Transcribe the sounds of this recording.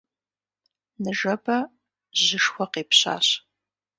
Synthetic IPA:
nɨʒɐbɐ | ʑɪʂxʷɔqeːpɕa̰ːɕ

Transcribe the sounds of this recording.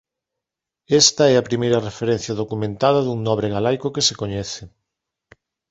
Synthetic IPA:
ɛst̪ɐɛɐpɾimejɾɐrefeɾɛ̃n̟θjɐðokumẽnt̪að̞ɐðuŋnɔβɾeɣalajkʊkesekoɲɛθɪ

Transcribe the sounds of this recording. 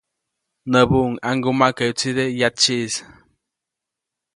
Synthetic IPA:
nəβuŋaŋɡumakaut͡sid̪ejat͡ʃis

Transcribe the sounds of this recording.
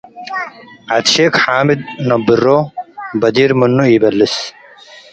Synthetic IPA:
ɐd̪ɕeːkħaːmid̪̚nobirːobɐd̪iːɾmunːuiːbɐlːis

